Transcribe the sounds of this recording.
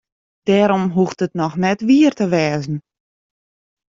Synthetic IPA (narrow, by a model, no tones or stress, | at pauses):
d̥ɛːɾɔmɦuxtətnɔxnɛtʋiərtəʋɛːzn̩